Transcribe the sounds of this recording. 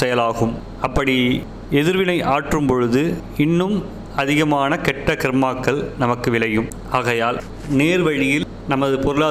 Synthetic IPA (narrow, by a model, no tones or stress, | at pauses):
sɛjɐlaːɣɯm | ɐpːɐɽi | ɛðɪɾʋɪnɐɪʔaːʈrɯmpɔɻɯðɯ | ɪnːɯm | ɐðɪɣɐmaːnɐkɛʈːɐkɪɾmaːkːɐɭnɐmɐkːɯʋɪɭɐjɯm | aːɣɐjaːl | neːɾʋɐɻɪjɪl | nɐmːɐðɯpɔɾɯɭaː